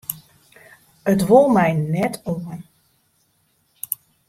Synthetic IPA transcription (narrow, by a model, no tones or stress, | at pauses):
ətʋolˠmɛjnɛtʰoːən